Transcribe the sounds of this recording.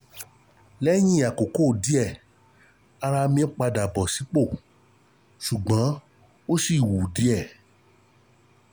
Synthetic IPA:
lɛ˦j̃ĩ˦˨a˨ko˨ko˦˨di˨˦ɛ˦˨ | a˧ɾa˧mĩ˧˦ɔ˦k͡pa˧da˨bɔ˨si˨˦k͡po˦˨ | ʃu˨ɡ͡bã˨˦ | o˦si˦˨wu˨di˨˦ɛ˦˨

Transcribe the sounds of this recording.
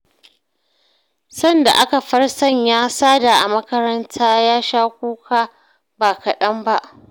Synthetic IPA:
sɐ˦nda̰˨ʔa˦ka˨ɸɐ˦rsɐ˦˨ɲjaː˦saː˦da˨ʔa˨mɐ˦kɐ˦ɾɐ˦ntʰaː˦jaː˦ʃaː˦kʷoː˦kʰaː˦ | baː˨kɐ˨ɗɐ˦mba˦ʔ

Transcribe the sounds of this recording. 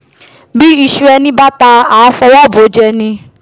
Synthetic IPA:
bi˦i˧ʃu˧ɛ˧nĩ˦ba˦ta˧a˨˦fɔ˧wɔ˦˨bo˨˦d͡ʒɛ˧nĩ˧

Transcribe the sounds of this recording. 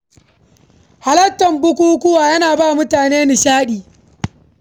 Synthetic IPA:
ha˦lɐ˦tːɐ˨mbʊ˦kʷuː˦kʷʊ˦waː˨jɐ˦naː˨baː˦˨mʊ˦taː˨neː˦nɪ˨ʃaː˦ɗiː˨

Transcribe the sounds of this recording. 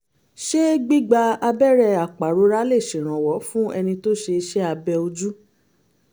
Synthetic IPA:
ʃe˦ɡ͡bi˦ɡ͡ba˧a˧bɛ˦ɾɛ˧a˨k͡pa˨ɾo˨˦ɾa˦le˦˨ʃĩ˨ɾ̃ã˨wɔ˨˦fũ˦ɛ˧nĩ˧to˦ʃe˧ʃɛ˦a˧bɛ˧o˧d͡ʒu˦

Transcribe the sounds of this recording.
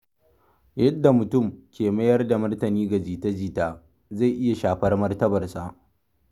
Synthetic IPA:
jɐ˦dːa˨mʊ˨tʊ˦˨mkʲʰeː˨mɐ˦jɐ˦rda˨mɐ˦rtɐ˨niː˦ɡɐ˨d͡ʒiː˨tɐ˦d͡ʒiː˦˨taː˦ | za˦˨jʔɪ˦ja˨ʃaː˨ɸɐ˦rmɐ˦rtɐ˦bɐ˨rsa˨ʔ

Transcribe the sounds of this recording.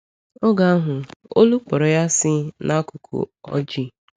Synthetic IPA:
ɔ˦ɡa˦a˦ɦʊ˨o̰˦lu˦k͡pɔ˨ɾɔ˨ja˦sɪ˦na˦kʊ˨kʰṵ˨ɔ̰˦d͡ʒi˦

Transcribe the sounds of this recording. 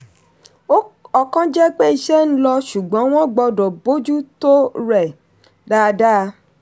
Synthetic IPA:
o˦ɔ˧kã˦d͡ʒɛ˦k͡pe˦i˧˨ʃɛ˦ñ̩˦lɔ˧ʃu˨ɡ͡bɔ̃˨˦w̃ɔ̃˦ɡ͡bɔ˧dɔ̃˨bo˦d͡ʒu˦to˦ɾɛ˨ | da˦˧da˦˧

